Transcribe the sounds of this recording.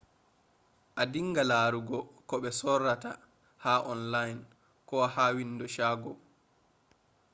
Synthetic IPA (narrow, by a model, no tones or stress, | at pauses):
ʔadiŋːɡalaːɾuɡɔkɔɓɛsɔrːata̰ | haʔɔnlajn | kɔwahawindɔʃaːɡɔ